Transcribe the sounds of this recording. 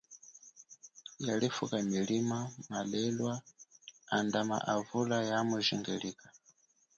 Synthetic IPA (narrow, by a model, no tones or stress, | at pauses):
jalifukamilimamalɛlwa | andama̰ʔavulajamwɛʒiŋɡɛliːkḁ